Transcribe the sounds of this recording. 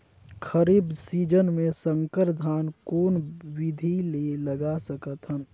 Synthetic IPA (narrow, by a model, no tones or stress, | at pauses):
kʰəɾiːbsiːd͡ʒənmẽsə̃ŋkəɾd̪ʱaːnkoːnwɪd̪ʱileləɡasəkət̪ɦən